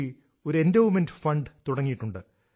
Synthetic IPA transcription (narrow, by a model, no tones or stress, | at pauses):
i | o̞ɾe̞ndɐwmendfɐɳɖɨt̪uɽɐŋːijiʈːuɳɖɨ